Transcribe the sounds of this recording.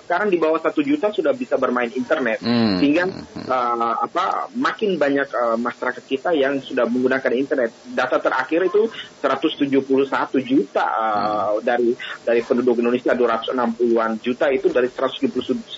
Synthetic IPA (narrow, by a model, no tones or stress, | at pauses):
sə̥kaɾaŋdibawahsat̪ud͡ʒut̪asudahbisabərmaɪnint̪ərnɛt̪̚səiŋɡaəapamakɪnbaɲakəmasaɾakat̪̚kit̪ajaŋsudahməŋɡunakanint̪ərnɛt̪̚dat̪at̪əɾa̰kɪɾit̪usəɾat̪ʊst̪ud͡ʒuhpulusat̪ud͡ʒut̪a̰ədaɾidaɾipənudʊk̬indonesiaduɾat̪ʊ̥sənampuluand͡ʒut̪ait̪udaɾisəɾat̪ʊ̥st̪ud͡ʒuupulust̪ud͡ʒs